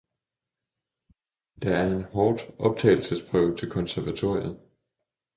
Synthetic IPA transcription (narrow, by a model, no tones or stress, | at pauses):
d̥ɑ̈æɐe̝nɦɒːd̥ʔɒ̽b̥̚t͡sʰɛ̰ːɪl̩səspʰʁœʊt͡sʰe̝lkʰɒ̽nsæɐʋæt͡sʰo̝ɐ̰jən